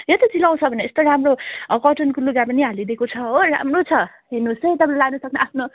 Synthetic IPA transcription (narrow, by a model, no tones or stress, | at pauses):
jʌt̪it͡silaw̃t͡sʰʌbʱʌneest̪oɾamrokʌʈʌnkuluɡapʌniɦalid̪ekot͡sʰʌɦora̰mrot͡sʰʌ | ɦinusʌjt̪ʌpãllaɡnʌsʌknʌʔapʰno